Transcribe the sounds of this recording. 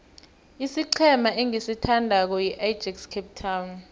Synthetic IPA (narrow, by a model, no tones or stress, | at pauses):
isiǀʰɛmaʔeŋisitʰandʱak̬ɔjiʔajd̥ʒ̥ʱɛkskʰɛp̚tʰawn